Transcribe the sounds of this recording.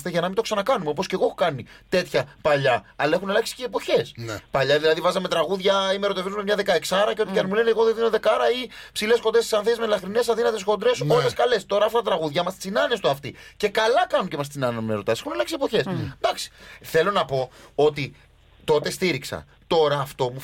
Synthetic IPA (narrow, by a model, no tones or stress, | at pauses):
st̪eʝɐnɐmint̪osɐnɐkɐnumeop̬o̞sce̞ɣo̞exokɐnit̪e̞t̪çɐpɐʎɐɐlɐe̞xunɐlɐksi̥ceːpo̞çe̞spɐʎɐðilɐðivɐzɐme̞t̪ɾɐɣuðʝɐimeɾo̞t̪evezumemɲɐðe̞kɐeksɐɾɐceo̞t̪ikɐnmule̞neeɣo̞ðeðinoðd̪e̞kɐɾɐipsile̞sxod̪ɾet̪i̥sɐnθezmelɐxɾine̞sɐðinɐt̪e̞sxo̞d̪ɾe̞soeskɐle̞st̪o̞ɾɐːft̪ɐt̪ɐt̪ɾɐɣuðʝɐimɐst̪t͡sinɐne̞st̪uɐft̪ice̞kɐlɐkɐnucemɐst͡sinɐnɐmeɾo̞t̪ɐse̞xunɐlɐksiepo̞çe̞sd̪ɐksi̥θe̞lo̞nɐpo̞o̞t̪i | t̪o̞t̪e̞st̪iɾiksɐ̰ | t̪o̞ɾɐːft̪o̞mu